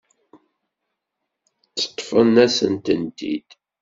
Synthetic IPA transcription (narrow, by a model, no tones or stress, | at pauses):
t͡sːə̥t̪ˤːfənæsənt̪ənd̪ḭd̪̥